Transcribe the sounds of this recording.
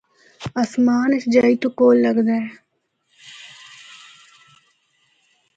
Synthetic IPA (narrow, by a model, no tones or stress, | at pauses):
ɐsmaːnɪsd͡ʒaːit̪okoːlːəɡd̪aːɛ